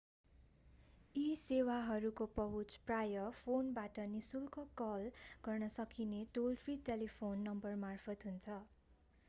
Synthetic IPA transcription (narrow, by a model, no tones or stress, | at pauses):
isewaɦʌɾukopʌɦut͡sprajʌpʰonbaʈʌnisulkokʌlɡ̥ʌrnʌsʌkineʈolpʰriʈelipʰonːʌmbʌrmarpʰʌt̪ɦunt͡sʰʌ